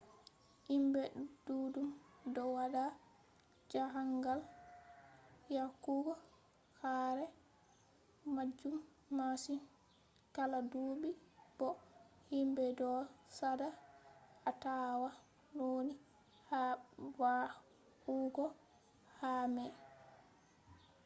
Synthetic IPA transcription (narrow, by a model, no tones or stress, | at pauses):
himbɛd̥uːdumdɔwada | d͡ʒaɦaŋɡal | jakuɡɔ | haːɾɛ | mad͡ʒːumː | asin | kaladuːbib̥ɔ | himbɛdɔsada | atawa | noni | hawa | kuɡɔ | hamɛ